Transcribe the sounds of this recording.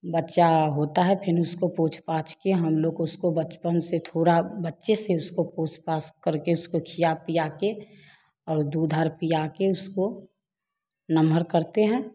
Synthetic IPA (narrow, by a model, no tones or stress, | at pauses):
bətːʃaɦoːt̪aɦɛpʰɪɾʊskopoːt͡ʃʰpaːt͡ʃʰkeɦɐmloːɡʊskobət͡ʃpənset̪ʰoːɾabətːʃeseʊskopoːt͡ʃʰpaːskəɾkeʊskokʰijapijake | ɔːɾd̪uːd̪ʱaɾpijakeʊsko | nəməɾkəɾt̪eɦɛ̃ː